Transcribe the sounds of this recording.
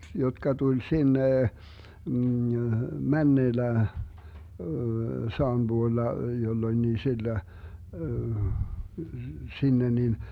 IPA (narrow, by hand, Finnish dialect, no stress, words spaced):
jotkɑ tulʲ sinːe mænːeːlːæ sɑːm buolːɑ jolːonʲniː silːø sinːe nin